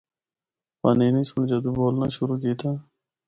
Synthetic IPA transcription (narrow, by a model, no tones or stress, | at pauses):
paːneːnĩːsʊɳd͡ʒəd̪uːboːlna̰ːʃʊɾuːkiːt̪ʰaː